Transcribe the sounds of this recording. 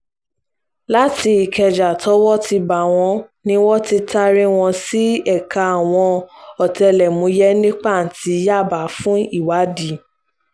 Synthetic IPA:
la˦ti˧i˨kɛ˧d͡ʒa˨tʰɔ˨˦wɔ˦ti˧ba˨w̃ɔ̃˧nĩ˦wɔ˦ti˧ta˧ɾi˦w̃ɔ̃˧si˦ɛ˦˨ka˧a˨w̃ɔ̃˧ɔ˨tɛ˧lɛ˨mũ˨˦jɛ˦nĩ˦k͡pa˦˨n̩˨tʰi˨˦ja˦˨ba˨˦fũ˦i˦˨wa˨˦di˨˦

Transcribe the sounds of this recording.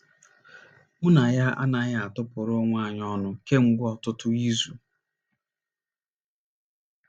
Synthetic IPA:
mʊ˦na˨ja˦ʔa̰˦na˨ɣa˦a˨tʊ˦pʊ˨ɾo˦ŋʷ˦a˦˨ɲɔ˦nʊ˨ke˦ŋ͡m̩˨ɡʷʊ˦ɔ˨tʊ˦tʊ˦i˦zu˨

